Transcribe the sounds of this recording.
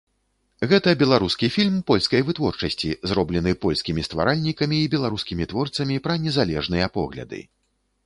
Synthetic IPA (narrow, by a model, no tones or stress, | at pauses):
ɣɛt̪ɐbʲɛlˠaɾuskʲifʲilʲmpɔlʲskɐjvɨt̪vɔrt͡ʂɐsʲt͡sʲizɾɔblʲɛnɨpɔlʲskʲimʲist̪va̰ɾʔalʲnʲikɐmʲiːbʲɛlˠaɾuskʲimʲit̪vɔrt̪sɐmʲipɾɐnʲɛzalʲɛʐnɨjɐpɔ̰ɣlʲɐ̰d̪ɨ̰